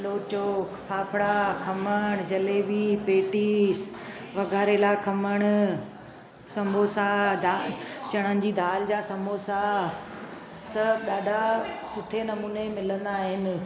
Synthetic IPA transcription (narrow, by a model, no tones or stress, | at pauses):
loːt͡ɕoːkʰpʰaːpʰɽakʰɐməɽ̃d͡ʑɐleʋipeːʈiːs | ʋɐɡʱaːɾelakʰɐməɽ̃ | sɐmʱoːsad̪at͡ɕɐɽ̃ənɪ̆d͡ʑiːd̪ʱaːld͡ʑaːsɐmoːsa | sɐbɗaːɖʱasʊʈʰenɐmuːnemɪlə̃nd̪aːɦɪnɪ̆